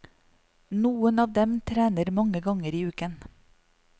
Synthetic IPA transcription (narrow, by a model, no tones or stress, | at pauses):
nuːənɑːʋd̪ɛmt̪ʰɾæːnəɾmɑŋəɡɑŋəɾiːʉːkən